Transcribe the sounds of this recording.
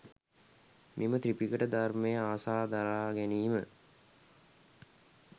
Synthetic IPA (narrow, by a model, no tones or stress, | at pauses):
mʔimət̪ɾipikəʈəd̪armejəaːsaːd̪aɾaːɡæniːmə